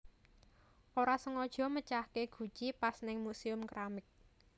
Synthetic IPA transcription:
ʔoɾasəŋɔd̥ʒ̥ɔ̤mət͡ʃahkeɡ̥ṳ̥t͡ʃipasnɪŋmusiʊmkɾamɪk̚

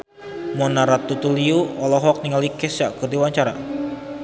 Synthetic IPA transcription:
mɔnaɾat̪ːut̪uliuɔlɔɦɔk̚niŋalikɛsjaʔkɨrd̪iwaɲt͡ʃaɾa̰

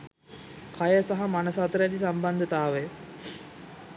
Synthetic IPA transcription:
kajəsaɦamanəsat̪əɾæd̪isamband̪ət̪aːʋe

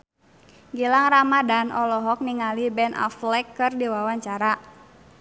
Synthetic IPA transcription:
ɡilaŋramadanʔɔlɔɦɔk̚niŋalibɛnʔa̰flɛkːɨrdiwawaɲt͡ʃaɾa

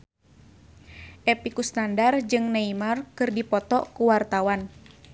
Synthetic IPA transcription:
ʔɛpikust̪andard͡ʒɨŋneimarkɨrdipɔt̪ɔkuwart̪awan

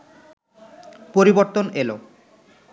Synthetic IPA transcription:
poɾiboɾt̪onelo

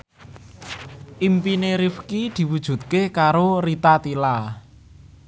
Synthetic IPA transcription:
ʔimpineɾifkid̪̥i̤wud̥ʒ̥ṳt̪̚kekaɾorit̪at̪ila

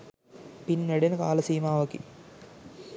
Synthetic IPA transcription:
pinːeɽenka̰ːlɐsiːmaːʋɐkːḭ

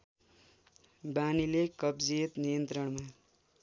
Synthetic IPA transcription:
banilekʌbd͡ziet̪nijʌnt̪ɾʌɳma

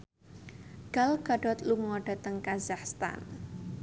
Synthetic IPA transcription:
ɡ̥a̤lɡ̥a̤ɖ̥ɔt̪luŋɔɖ̥a̤t̪əŋkazahst̪a̰n

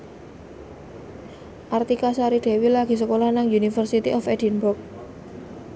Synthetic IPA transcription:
ʔart̪ikasaɾid̥e̤wilaɡ̥i̤səkolanaŋjunifərsit̪iʔɔfɛdi̤nbʊrk̚

